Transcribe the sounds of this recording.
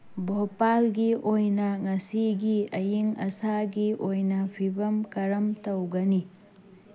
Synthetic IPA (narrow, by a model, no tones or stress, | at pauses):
bʱopalɡiʔojnɐŋɐsiɡiɐjiŋɐsaɡiʔojnɐpʰibɐmkɐɾɐmtɐwɡɐni